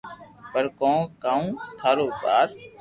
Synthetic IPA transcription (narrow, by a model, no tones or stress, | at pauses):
pəɾkõːkaːũːt̪ʰaːɾoːkaːɾ